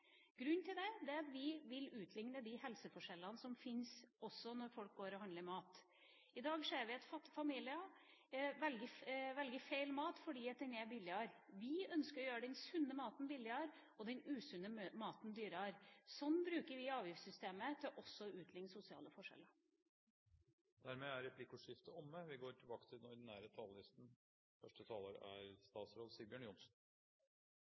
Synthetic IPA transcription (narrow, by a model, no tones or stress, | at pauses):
ɡ̥ɾʉnt̪ʰɪld̪ɛd̪ɛɑt̪ʋɪʋɪlʉːt̪ʰlɪŋnəd̪ɪhɛlsəfɔʂɛlːənəsɔmfɪnsɔsːɔnɔɾfɔlk̚ɡoːɾɔhɑnd̪əɾmɑːt̪ | ɪd̪ɑːɡseːɾʋɪɑt̪fɑt̪ːɪfɑmiːlɪɑ | ʋɛlɡəʋɛlɡəfeɪlmɑːt̪fɔɖiːɑt̪̚d̪ɛnɛbɪlːɪɑɾʋɪœnskəɾɔjøːɾəɖ̪ɛnsʉnːəmɑːt̪n̩bɪlɪɑɾ | ɔd̪ɛnʉːsʉnːəmɑːt̪nd̪yːɾəɑɾsɔnːbɾʉːkəɾʋɪɑːʋjɪfsʏst̪eːmət̪ʰɪlʔɔsːɔʉːt̪ʰlɪŋsʊsɪɑ̰ːləfɔʂɛ̰lə | d̪̥æɾmeːæɾːɛpʰlɪkːʊʂɪft̪əɔmːəʋɪɡoːʈʰɪlbɑːkə̥t̪ʰɪlɔɾd̪næːɾət̪ʰɑːləlɪst̪n̩ | fœʂʈət̪ʰɑːləɾæ̰ɾst̪ɑːt̪sɾoːd̪sɪlbɪjœːɳjʊnsn̩